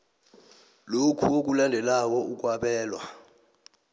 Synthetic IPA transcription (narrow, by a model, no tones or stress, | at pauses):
lokʰuok̬ʼulandʱɛlaw̬ɔuk̬ʼwaɓɛːlwa̰